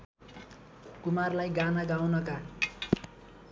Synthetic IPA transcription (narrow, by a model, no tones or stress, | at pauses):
kumarlajɡanaɡawnʌka